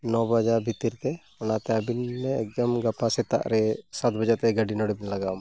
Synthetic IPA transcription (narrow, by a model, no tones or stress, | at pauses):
nɔbad͡ʒabʱit̪iɾt̪ɛ | ɔnat̪ɛəbinmɛɛk̚d̪əmɡapasɛt̪a̰ʔɾɛsat̪̚bəd͡ʒat̪ɛɡaɖinɔɽɛbinlaɡam